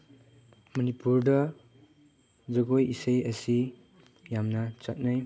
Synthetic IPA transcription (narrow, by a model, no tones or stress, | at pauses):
mɐnipuɾdɐ | zɐɡojisejɐsi | jamnɐt͡ʃat̚naj